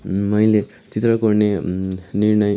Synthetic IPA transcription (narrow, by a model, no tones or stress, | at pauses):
mʌjle | t͡sit̪rʌkurneniɾnʌj